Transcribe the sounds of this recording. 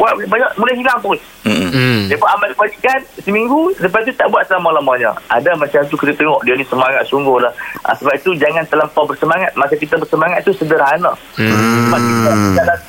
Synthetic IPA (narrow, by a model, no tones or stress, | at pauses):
aʔbaɲaʔmulaɦilaŋpɔis̩ | dapaʔamakəbalikansəmiŋɡusəbait̪̬ut̪aʔbuat̪̚səlamalamaɲə̰ʔa̰damat͡ʃamt̪ukit̪ət̪əŋɔʔdianisəmaŋat̪̚suŋɡʊhlahʔa̰səbait̪ud͡ʒaŋant̪əlaŋkabərsəmaŋat̪̚makak̬it̪əbərsəmaŋat̪̚t̪ːusədərɦana | səbat̪̚kit̪əid̪aʔla